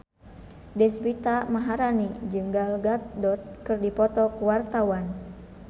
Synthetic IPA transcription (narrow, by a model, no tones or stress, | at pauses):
dɛsbit̪amaɦaɾanid͡ʒɨŋɡalɡat̪̚dɔt̪̚kɨrdipɔt̪ɔkuwart̪awan